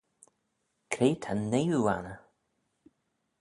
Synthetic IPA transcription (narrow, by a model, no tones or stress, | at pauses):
kʰɾeːt̪ʰanːejua̰nə